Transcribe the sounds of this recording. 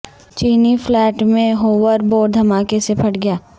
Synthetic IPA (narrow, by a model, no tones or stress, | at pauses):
t͡ʃiːniflɛːʈmẽɦoːʋəɾboːɖ̚d̪ʱɐmaːkesepʰɐʈɡɐjaː